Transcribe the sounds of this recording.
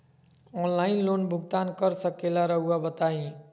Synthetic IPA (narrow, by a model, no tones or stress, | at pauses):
ɔnlainlonbʱuɡt̪ankəɾsəkelaɾəɦuabət̪aĩ